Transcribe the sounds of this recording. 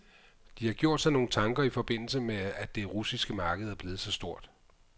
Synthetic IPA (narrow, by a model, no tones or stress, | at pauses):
d̥ihɑ̈ɡ̥jo̝ɐ̰d̥sɑ̈no̝ːn̩t͡sʰɑ̈ŋɡ̥ɐifɒ̽b̥e̝n̰l̩səmeæd̥e̝ʁusisɡ̥əmɑ̈ːɡ̥əð̩ˠæɐb̥leːð̞̩ˠsɒ̽sd̥o̝ɐ̰d̥